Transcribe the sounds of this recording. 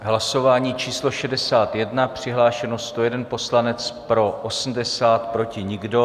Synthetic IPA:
ɦlaso̞vaːɲiːt͡ʃiːslo̞ʃɛdɛsaːt̪jɛdnapr̝̥ɪɦlaːʃɛnost̪o̞jɛdɛnpo̞slanɛt͡spɾo̞ʔosm̩dɛsaːt̪pɾo̞cɪɲɪɡdo̞

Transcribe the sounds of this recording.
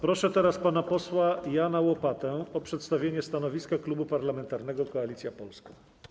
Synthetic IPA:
pɾɔʂɛt̪ɛɾaspanapɔswajanawɔpat̪ɛɔpʂɛt̪st̪avʲjeɲɛst̪anɔvʲiskaklubupaɾlamɛnt̪aɾnɛɡɔkɔalʲit̪sʲjapɔlskɔ̃

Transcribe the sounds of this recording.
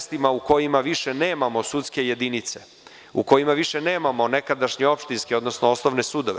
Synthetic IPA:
st̪imauko̞jimaʋiʃe̞ne̞ːmamo̞sut̪ske̞je̞d̪init̪se̞ | uko̞jimaʋiʃe̞ne̞ːmamo̞ne̞kad̪aʃɲeo̞pʃt̪inskeo̞d̪nosnoosno̞ʋne̞sud̪oʋe

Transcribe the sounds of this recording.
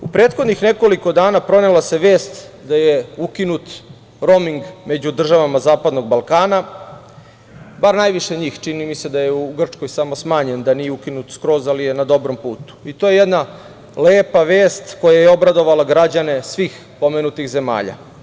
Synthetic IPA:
upɾeːt̪xod̪nixne̞ko̞liko̞d̪aːnapɾo̞nelaseʋe̞ːst̪d̪ajeukinut̪ | ɾo̞miŋɡme̞d͡ʑud̪r̩ʒaʋamazaːpad̪no̞ɡ̚balˠkaːna | baɾnajʋiʃe̞ɲiːxt͡ʃinimise̞d̪ajeuɡr̩t͡ʂkojsamosmaːɲe̞nd̪anijeukinut̪skɾo̞ːzalijenad̪o̞bɾo̞mpuːt̪u̥it̪oːjejed̪na | leːpaʋe̞ːst̪ko̞jajeo̞bɾad̪o̞ʋalaɡɾad͡ʑane̞sʋiːx | po̞menut̪ixze̞ma̰ːʎa̰

